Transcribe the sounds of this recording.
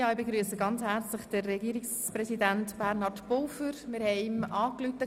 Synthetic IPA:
jɑːɪbeɡɾyəsəɡɑnt͡shæɾt͡slɪχd̥ərːɛɡiːɾɪks | prɛsidæntb̥æɾnɑɾdpolfəɾmɪɾhɛɪmʔɑːklytə

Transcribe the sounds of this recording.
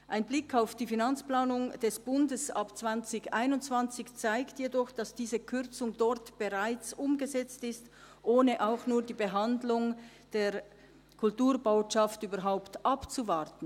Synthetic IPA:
ʔaɪnblɪkʰaʊfd̥iːfinant͡splaːnʊŋd̥ɛsb̥ʊndəsapt͡sv̥ant͡sɪçaɪnʊntt͡sv̥ant͡sɪçt͡saɪktjedɔχd̥asd̥iːzəkʰʏʁt͡sʊŋdɔʁtb̥əʁaɪt͡sʔʊmɡəzɛt͡stɪst | ʔoːnəʔaʊxnuːɐdiːbəɦandlʊŋ | d̥eːʁ | kʰʊltuːʁboʊʃaftyːbɐɾɦaʊptʔapt͡suvaʁtn̩

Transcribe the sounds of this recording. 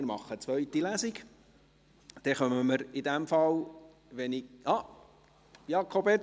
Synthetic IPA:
ɪɾmɑχːət͡sʋœɥt̪ːilæzɪɡ | d̪̥ɛχœməməɾid̪æmfɑl | ʋɛniɑ | jɑkʰobɛ

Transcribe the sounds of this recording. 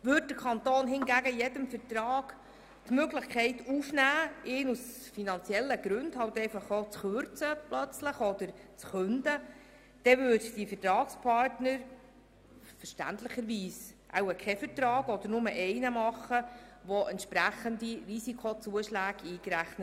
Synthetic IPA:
ʋʏd̚dəkʰɑnt̪oːnɦɪnɡæɡəjɛdəmfəɾtɾɑːɡ̥ | tmøɡlɪχkʰχɛɪtufnæːɪːnusfinɑnt͡sjɛlːəɡ̥ɾʉndhɑwtɛɪfɑχoːt͡sχøɾt͡səpʰlœt͡sləχɔd̥̪əɾt͡sχɵndə | d̥ɛvʏːdd̥ifətɾɑːkspʰɑrtnəɾ | fəɾʃtæ̰ntlɪχəɾʋiːsʔa̰wəkʰɛfəɾtɾɑːɡɔd̥̪əɾnʊməʔɛɪnəmɑχːəʋɔʔɛntʃpɾæχəndirisikʰot͡suəʃlæːɡiːkɾæχnət

